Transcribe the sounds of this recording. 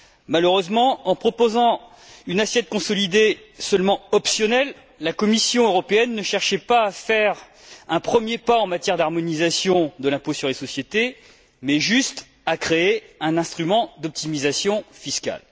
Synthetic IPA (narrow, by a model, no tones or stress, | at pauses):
maløʁøzmɑ̃ɑ̃pχɔpozɑ̃ | ynasjɛt̪̚kɔ̃sɔlid̪esœlmɑ̃ɔpsjɔnɛlː | akɔmisjɔ̃øʁɔpeɛnːəʃɛʁʃɛpaːfɛʁ | ɛ̃pχəmjepaɑ̃mat̪jɛʁd̪aʁmɔnizasjɔ̃d̪əlɛ̃posyʁlesɔsjet̪e | mɛʒyst̪ | akχeːɛ̃nɛ̃st̪χymɑ̃d̪ɔp̚t̪imizasjɔ̃fiskʲa̰l